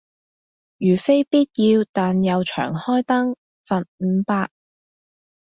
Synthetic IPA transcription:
jyː˨˩fe˥jpiː˥t̚jiː˧wt̪aː˨njɐ˨˧wt͡ʃʰœ̰ː˨˩ŋhɔː˥jt̪ɐ˥ŋ | fɐ˨nm̩˨˧paː˧k̚

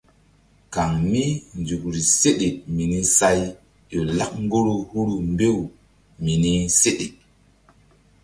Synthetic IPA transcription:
ka˨ŋni˦nd͡ʒu˨k̚ɾi˨se˦ɗe˨mi˨ni˦sa˦j | jo˨la˦k̚ŋɡo˦ɾo˦hu˦ɾu˨mbe˦˨w | mi˨ni˦se˦ɗe˨

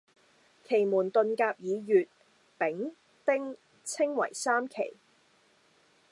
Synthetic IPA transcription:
kʰe˨˩jmuː˨˩nt̪ɵ˧nkaː˧p̚jiː˨˧jyː˨t̚ | pɪ˨˥ŋ | t̪ɪ˥ŋ | t͡sʰɪ˥ŋwɐ̰˨˩jsaː˥mkʰḛ˨˩j

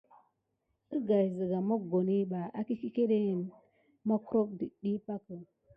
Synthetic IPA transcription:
ə˦ɡa˨jzə˨ɡa˨ma˦ɡo˨ni˦ba˨a˦ki˦ki˦ke˦ɗe˦˨n | ma˦ku˦ɾo˦k̚di˨ɗi˦pa˦kə˨

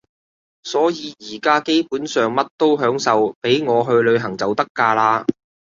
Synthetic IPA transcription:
sɔː˨˥jiː˨˧jiː˨˩kaː˥ke˥jpuː˨˥nsœː˨ŋmɐ˥t̚t̪o˥wɦœː˨˥ŋsɐ˨wpe˨˥jŋɔː˨˧ɦɵ˧ɥlɵ˨˧ɥɦɐ˨˩ŋt͡sɐ˨wt̪ɐ˥kːaː˧laː˧

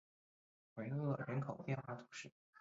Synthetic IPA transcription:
xwe˧˥ɪɤ˥˩ɻə˧˥nkʰo˨˩ʊpjɛ˥˧nxwa˥˩t̪ʰu˧˥ʂɻ̩˥˩

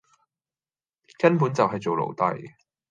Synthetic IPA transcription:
kɐ˥npuː˨˥nt͡sɐ˨wɦɐ˨jt͡so˨wlo̰˨˩wt̪ɐ̰˨j

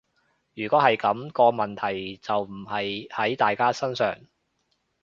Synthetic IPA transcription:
jyː˨˩kɔː˨˥ɦɐ˨jkɐ˨˥mkɔː˧mɐ˨nt̪ʰɐ˨˩jt͡sɐ˨wm̩˨˩hɐ˨jhɐ˨˥jt̪aː˨jkaː˥sɐ˥nsœ̰ː˨ŋ

